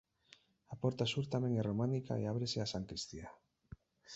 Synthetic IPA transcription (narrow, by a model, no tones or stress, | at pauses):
apɔɾt̪asuɾt̪amẽŋɛromanika̰ḛaβ̞ɾeseasaŋkɾist̪ia